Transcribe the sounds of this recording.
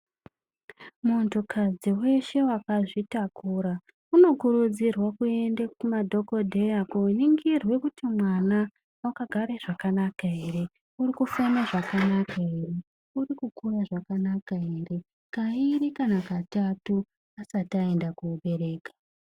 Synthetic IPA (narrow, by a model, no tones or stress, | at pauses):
muonto̞kʰad͡ziwe̞ʃe̞wakaʐitakuɾa | uno̞kuɾud͡zirwakue̞ndakumadʱo̞ko̞dʱe̞jakoniŋɡirwe̞kutimwana | wakaɡʱaɾeʐakanakaere̞ | urikufanaʐakanakaere̞ | urikukujaʐakanakaere̞ | kaiɾikanakatatu | asatae̞ndakuoɓe̞ɾe̞ːkḁ